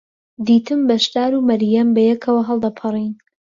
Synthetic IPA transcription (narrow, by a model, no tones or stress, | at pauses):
d̪iːt̪ʰɨmbɐʃd̪aːɾumɐɾjambɐjɛkʰɐwɐɦɐlˠd̪ɐpʰɨrˤin